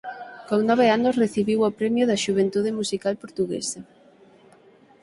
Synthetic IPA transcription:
koŋnɔβ̞eanʊsreθiβiwopɾɛmjoðɐʃuβ̞ent̪uð̞ɪmusikalpoɾt̪uɣḛsɐ

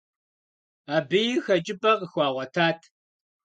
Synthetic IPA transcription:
aːbɨjɪxɐt͡ʃʼɪpʼɐqəxʷɑːʁʷɐtʰaːtʰ

